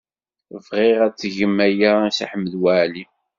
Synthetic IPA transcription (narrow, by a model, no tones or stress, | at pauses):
vʁɪʁæt͡sːʝəmːæjæsa̰ħəmːəðwaʕli